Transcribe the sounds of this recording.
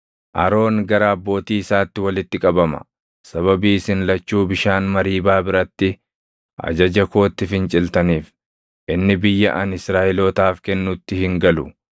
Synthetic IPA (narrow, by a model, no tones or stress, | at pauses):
ʔɐ̰ɾo̞ːŋɡɐɾaːbːo̞ːt̪iːɪsaːt̪ːɪwɐlɪt̪ːɪkʼɐbɐmɐ̰ | sɐβɐbiːsɪnlɐt͡ʃːuːbɪʃaːnmɐɾiːbaːbɪɾɐt̪ːɪ | ʔɐ̰d͡ʒɐd͡ʒɐko̞ːt̪ːɪfɪnt͡ʃʼɪlt̪ɐniːf | ʔɪnːɪbɪjːɐʔɐnɪsɾaːʔɪloːt̪aːfkɛnːʊt̪ːɪhɪŋɡɐlʊ